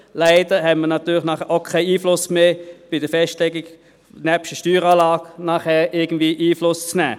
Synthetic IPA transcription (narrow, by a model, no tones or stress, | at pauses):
laɪd̥əhɛtmənɑt̪yːlɪχnɑːχɛʔoʊkʰaɪiːflʊsmeːb̥ɪd̥əfɛstlɛɡɪɡ | nɛpʃtəʃtyːʁɑːlɑːɡnɑːχhɛːʔɪɐɡ̥ən̩d̥̪viːʔiːflʊst͡snæ̰ː